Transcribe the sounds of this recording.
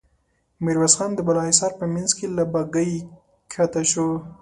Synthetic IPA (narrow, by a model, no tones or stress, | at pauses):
mɪɾwasxɑnd̪əbalɑisɑɾpəmanzkelabaɡəj | kʰat̪aʃo